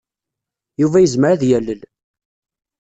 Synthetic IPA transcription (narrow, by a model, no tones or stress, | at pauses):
juvæjəzməɾaðjælːəl